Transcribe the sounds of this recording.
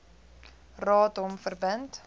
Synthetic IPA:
rɑːtɔmfərbənt

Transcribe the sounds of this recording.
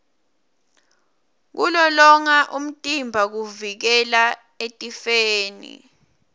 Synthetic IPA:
k̬ulɔlɔŋaʔum̩tʼimbʱak̬uvik̬ɛla | etʼifeːnḭ

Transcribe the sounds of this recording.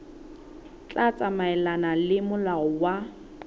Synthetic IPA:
t͡ɬʼat͡sʼamaɛlanalɪmʊlaʊwa

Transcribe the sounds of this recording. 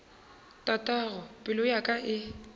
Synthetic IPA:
tʼatʼaɣɔpʼɪlʊjakʼaʔɪ

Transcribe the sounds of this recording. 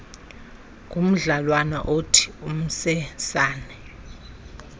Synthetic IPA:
ŋʱʼum̩ɮalwana̰ʔotʰi̥um̩sɛsaːnɛ

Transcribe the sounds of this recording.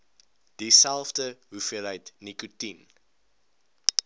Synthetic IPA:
d̥isælˠfdəɦufiəlɦəjtnikutin

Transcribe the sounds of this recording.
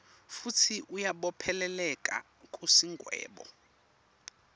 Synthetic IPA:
futʰiʔujaɓɔpʰɛlɛlɛkʼa̰ | kʼusiŋɡʱwɛ̰ːɓɔ̰

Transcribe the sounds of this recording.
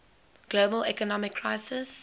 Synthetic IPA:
ɡ̥lobəlɛkɔnɔmɪkʰːɹaɪsɪs

